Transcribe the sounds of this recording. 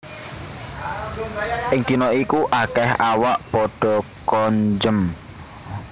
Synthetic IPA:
ʔɪŋt̪i̤nɔikuʔakɛhawaʔpɔɖ̥ɔ̤kɔɲd͡ʒəm

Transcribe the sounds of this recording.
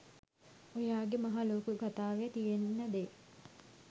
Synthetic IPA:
ojaːɡemaɦaloːkukat̪aːʋejət̪ijeninːəd̪eː

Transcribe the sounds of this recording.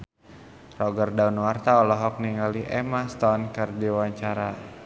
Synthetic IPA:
rɔɡərdaunwart̪aɔlɔɦɔk̚niŋaliʔɛmast̪ɔnkərdiwaɲt͡ʃaɾa

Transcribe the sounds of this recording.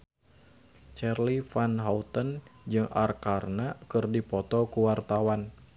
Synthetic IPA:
t͡ʃɛrlifanɦaut̪ənd͡ʒɨŋʔarkarnakɨrdipɔt̪ɔkuwart̪awan

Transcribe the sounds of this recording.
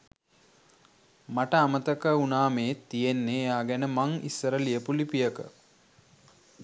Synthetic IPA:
maʈəamət̪əkəunaːmeːt̪ːijenːeaːɡɛnəmaŋḭsːəɾəlijəpulipijəkə̰

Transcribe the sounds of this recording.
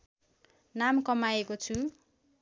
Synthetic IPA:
namkʌmaekot͡sʰu

